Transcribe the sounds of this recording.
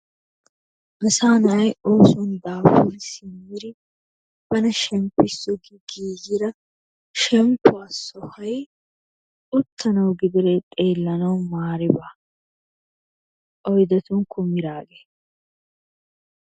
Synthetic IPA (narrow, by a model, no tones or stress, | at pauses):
mɐsaːnɐɐjoːsɔnd̪aːfʊɾsɪmːɪɾɪ | b̥ɐnɐʃɛmpːɪsːɔɡɪɡiːɡɪɾɐ | ʃɛmpːʊasɔhɐj | ʊt̪ʰːɐnɐwɡɪd̪ɪɾɛt̪ʼe̞ːlːɐnɐwmaːɾɪba | ʔɔjd̪ɐt̪ʊŋkʰːʊmɪɾaːɡe